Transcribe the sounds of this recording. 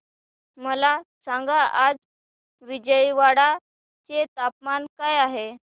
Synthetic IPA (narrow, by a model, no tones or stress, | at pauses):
məlasãŋɡaʔad͡z | ʋid͡ʑəiʋaɽa | t͡set̪apmankajaɦe